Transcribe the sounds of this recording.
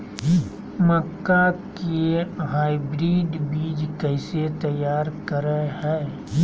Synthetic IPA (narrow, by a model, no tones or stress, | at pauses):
məkːakeɦaːibɾiːɖbiːd͡ʒkɛːset̪əjːaːɾkəɾəɦɛː